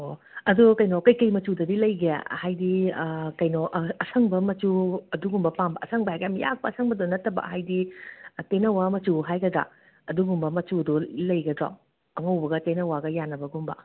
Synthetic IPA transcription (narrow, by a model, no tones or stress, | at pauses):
oɐdukɐjnokɐjkɐjmɐt͡ʃudɐdilɐjɡea̰hajdikɐjnoʔɐsʰɐŋbɐmɐt͡ʃuɐduɡumbɐpambɐʔɐsʰɐŋbɐɦajkamija̰k̚pɐːsʰɐŋbɐdonɐtːɐbɐ̰hajditenɐwamɐt͡ʃuɦajɡɐdɾa̰ | ɐduɡumbɐmɐt͡ʃudɔlɐjɡɐdɾo̰ | ɐŋɐwbɐɡɐtenɐwaɡɐjanːɐbɐɡumbɐ̰